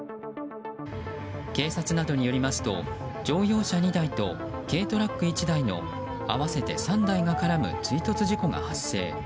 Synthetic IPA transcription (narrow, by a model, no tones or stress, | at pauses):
ke̞ːsat͡sɨnad̪o̞ɲ̟ijo̞ɾʲimasɨ̥t̪o̞̰d͡ʑo̞ːjo̞ːɕaɲ̟id̪ait̪o̞̰ | ke̞ːt̪o̞ɾakːɯ̟it͡ɕid̪aino̞̰ | a̰βase̞t̪e̞sãnd̪aiɡakaɾamɯ̟̰t͡sɨit̪o̞t͡sɨʑiko̞ɡa̰hasːe̞̰ː